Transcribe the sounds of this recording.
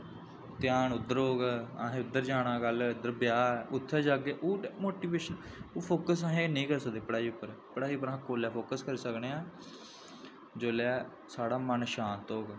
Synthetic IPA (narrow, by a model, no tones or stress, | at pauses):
t̪ɪjaːnʊd̪ːəɾɦoːɡɛa̰ːɦẽːʊd̪ːəɾd͡ʒaːɽãːɡəlʊd̪ːəɾbjaːʊt̪ʰːɛːd͡ʒaːɡeːʔoːmoːʈiːʋeːʃənoːpʰoːkəs̬ãɦẽːnəĩːkəɾsək̚d̪eːpəɽaːiːʊpːəɾpəɽaːiːʊpːəɾãːkoːlɛːpʰoːkəskəɾiːsəkneːãː | d͡ʒoːlɛː | saːɽaːmənʃãːnt̪oːɡ